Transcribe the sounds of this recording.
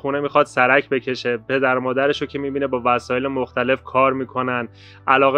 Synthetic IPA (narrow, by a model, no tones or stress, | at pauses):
xunemiːxɒːd̪̥sæɾæcʰbe̞cʰe̞ʃe̞pʰe̞d̪æɾmɒːd̪æɾe̞ʃocʰe̞miːbiːnebɒːvæsɒːje̞lemoxt̪ʰæle̞fkʰɒːɾmiːkʰo̞nænd̪ | ʔælɒːɣe